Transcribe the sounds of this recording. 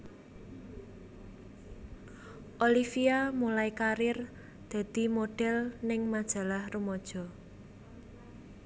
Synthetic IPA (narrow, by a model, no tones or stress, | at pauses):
ʔolifiamulaikaɾɪr | d̪̥ä̤d̪̥i̤moɖ̥ɛ̤lnɪŋmad̥ʒ̥a̤lahrumɔd̥ʒ̥ɔ̤